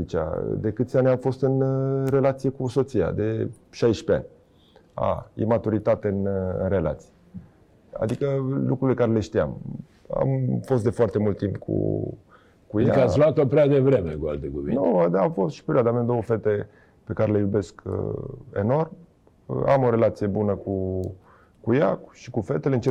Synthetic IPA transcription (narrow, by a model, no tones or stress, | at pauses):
it͡ʃa̰d̪e̞kɨt̪sʲanʲamfo̞st̪ɨnre̞lat̪sije̞kuso̞t̪sija̰d̪e̞ | ʃajʃpea̰nʲ | a̰jḛmat̪uɾit̪at̪e̞ɨnɨ̰nre̞la̰t̪sije | a̰d̪ikəlukɾulekaɾele̞ʃt̪ia̰m | a̰mfo̞st̪̚d̪e̞foart̪emult̪ːimpkʰṵ | kujakəassloat̪opɾead̪evɾemekua̰lt̪ekuvinud̪afo̞st̪ʃi̥pe̞ɾʲiad̪əameamd̪o̞wəfe̞t̪e̞ | pe̞kaɾe̞le̞jube̞sk | e̞̰no̞rm | əamo̞ɾe̞lat̪sije̞bunəku | kujaʃi̥kufe̞t̪eleɨnt͡ʃe